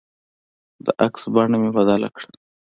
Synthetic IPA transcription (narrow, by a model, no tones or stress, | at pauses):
d̪əʔaksbɑɳamebad̪ala̰kɽa